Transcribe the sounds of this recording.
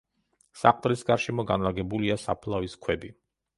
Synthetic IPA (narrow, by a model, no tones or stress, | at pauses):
sa̰qʼt̪ʼɾisɡaɾʃimɔɡanlaɡɛbuliasapʰlˠaviskʰwɛbi